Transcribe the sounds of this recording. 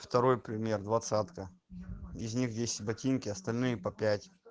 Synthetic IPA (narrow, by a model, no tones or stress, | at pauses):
ft̪ɐɾo̞jpɾʲɪmʲe̞rd̪vɐt̪sat̪kə | ɪzʲnʲixdʲesʲɪ̥tʲbɐtʲinkʲɪɐst̪ɐlʲnɨjəpɐpʲætʲ